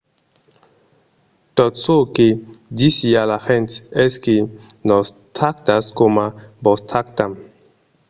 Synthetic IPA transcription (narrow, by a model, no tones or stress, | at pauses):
tɔt̪soked̪isialaxɛ̃nt̪ɛskenɔs | t̪ʰakt̪askomabɔst̪ʰak̚tam